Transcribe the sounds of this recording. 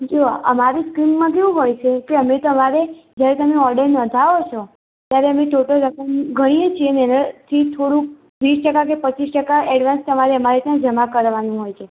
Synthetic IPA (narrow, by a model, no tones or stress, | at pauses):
d͡ʒoa̰ʔəmaɾiskɾimmãkeʋũɦojt͡ʃʰekeəmet̪əmaɾed͡ʒjaɾet̪əmeɔɾɖəɾnə̃d̪ʱaot͡ʃʰɔ | t̪jaɾeəmẽʈoʈəlɾəkəmɡʱəɽ̃iet͡ʃʰienɛnət̪ʰit̪ʰoɾũk̚ | ʋisʈəkak̬epət͡ʃisʈəkaʔɛɽʋanst̪əmaɾeəmaɾet̪jãd͡ʒəmakəɾʋanũɦojt͡ʃʰe